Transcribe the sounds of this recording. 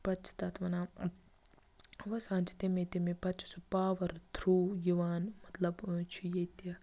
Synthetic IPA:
pɐt͡ʃʰt̪at̪ʋɐnaː | ʋɐsãːnt͡ʃi̥t̪emẽːt̪emẽpɐt͡ʃʰsɐpaːʋɐɾd̪ʰɾuːjuʋaːnmɐt̪ləbt͡ʃʰijet̪jɐ

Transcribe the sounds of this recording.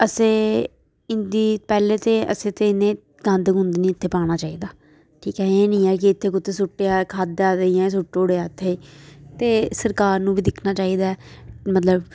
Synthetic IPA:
əsẽː | ɪnd̪iːpɛːleːt̪eːʔə̰sẽːt̪eːɪnẽː | ɡə̃nd̪ɦʊ̃nd̪nĩːɪt̪ʰːeːpaːɽ̃aːt͡ʃaːiːd̪aː | ʈʰiːkɛːeːnĩːɛːk̬ɪɪt̪ʰːeːkʊt̪ʰːeːs̬ʊʈːeːaːkʰaːd̪aːd̪eijãːes̬ʊʈːoʊɽeaːɪt̪ʰːet̪eːsəɾkaːɾnũːbʱiːd̪ɪkʰnaːt͡ʃaːiːd̪aːɛmət̪ləb

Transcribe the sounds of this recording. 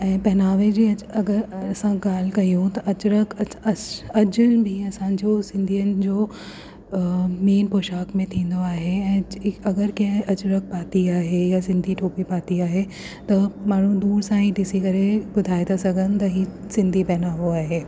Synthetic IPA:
ɛ̃ːpɛɦnaːʋed͡ʑiːɐɐɡəɾɐsãɡaːl̤kɐiũt̪ɐʔɐt͡ɕɾəkʰɐɐɐd͡ʑʊlbʱiɐsãd͡ʑoːsɪ̃nd̪ʱijənɪ̆d͡ʑoː | miːnpoːʃaːkmẽt̪ʰĩːn̆d̪oaːɦeɛ̃ːɐɡəɾkɐɦɐt͡ɕɾɐk̚paːt̪iaːɦejasɪ̃nd̪ʱiʈʰoːpipaːt̪iaːɦe | t̪ɐmaːɳ̤ũd̪uːɾsãɦiɗɪsikɐɾebʊd̪ʱaːed̪asɐɡʱənɪ̆t̪ɐɦisɪ̃nd̪ʱipɛɦnaːʋoaːɦeː

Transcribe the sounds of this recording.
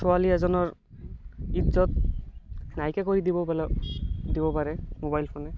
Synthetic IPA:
sɔaliɛzɔnɔɹ | it̪zɔt̪̚ | najkɛkoɹid̪ibɔld̪ibɔpaɹɛmobajlpʰonɛ

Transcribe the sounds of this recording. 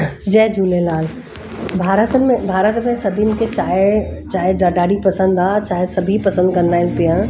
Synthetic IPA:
d͡ʒɛːɦd͡ʒʱuːlelaːl | bʱaːɾət̪mẽbʱaːɾət̪mẽsɐbʱimket͡ʃaːet͡ʃaːɦed͡ʒaːɖaːɽipɐsə̃nd̪aːt͡ʃaːɦesɐbʱipɐsə̃nd̪kɐɾnaːɪnpijã

